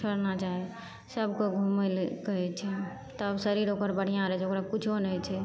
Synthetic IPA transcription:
əɾnat͡ʃaɦɛ | səbʱkoɡʱumelkəɦɛt͡ʃʰɛ | t̪ːbsəɾiɾokəɾbəɽ̤ijãɾɛt͡ʃʰokɾakit͡ʃʰonɛt͡ʃʰɛ

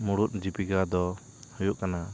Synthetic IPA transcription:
muɽut̪̚ˀd͡ʒipiɡad̪ɔ | hɔjuʔkana

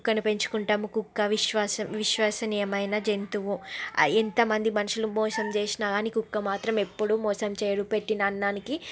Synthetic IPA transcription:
kːɐnupe̞ɲt͡ʃu̥kuɳʈaːmukukːɐʋiʃʋaːsɐʋiʃʋaːsɐniːjɐmɐjnɐd͡ʒent̪uʋuent̪ɐmɐnd̪imɐnuʂulumɔːsɐmt͡ʃeːsinaːɡaːnikukːɐmaːt̪ɾɐmepːuɽumɔːsɐmt͡ʃeːjɐɽupe̞ʈːinɐːnːaːniki

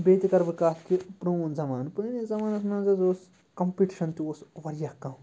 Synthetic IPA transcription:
beːt̪ikɐɾbikaːt̪kipɾonzɐmaːnpɾonizɐmaːnɐsmãːzɐzoːs | kɐmpiʈiʃɐnt̪iosʋɐɾijakːãm

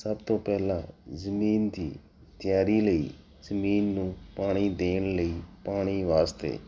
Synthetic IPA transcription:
səbt̪oːpɛɦlã̰zəmiːnt̪ḭː | t̪ɪjaːɾiləḭː | zəmiːnːũːpaːɽ̃id̪eːnləiːpaːɽ̃iʋaːst̪ḛː

